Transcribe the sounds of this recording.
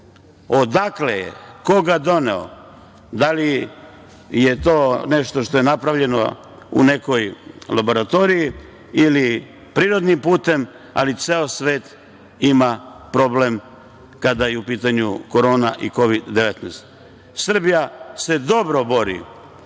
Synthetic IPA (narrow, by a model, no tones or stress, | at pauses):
o̞d̪aklejḛko̞ɡad̪o̞nḛo̰ | d̪ali | jet̪o̞ːne̞ʃt̪o̞ʃt̪o̞jenapɾaʋʎe̞no̞̰ | ṵne̞ko̞jlabo̞ɾat̪o̞ːɾiji | ili | pɾiːɾo̞d̪nimpuːt̪e̞m | a̰lit̪seosʋe̞ːt̪ | imapɾo̞blem | kad̪ajeupiːt̪aɲuko̞ɾo̞ːnaʔiko̞ʋid̪ːeʋet̪nɛst̪ | sr̩bijase̞d̪o̞bɾo̞bo̞ɾḭ